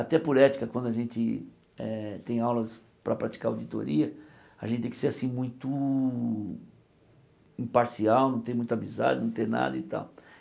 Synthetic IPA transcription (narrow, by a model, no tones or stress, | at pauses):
at̪ɛpʊɾɛt͡ʃi̥kɐkwɐ̃nd̪ʊɐʒẽnt͡ʃ̪ɪ | ɛt̪ẽj̃awlɐs | pɾɐpɾat͡ʃi̥kaɾod͡ʒit̪o̰ɾiɐ | a̰ʒẽt̪ɪt̪ẽkɪseɾasĩmũj̃t̪ʊ | ĩpaɾsiawnɐ̃t̪ẽj̃mũj̃t̪amiza̰d͡ʒɪnɐ̃w̃t̪ẽna̰d̪ɐit̪a̰w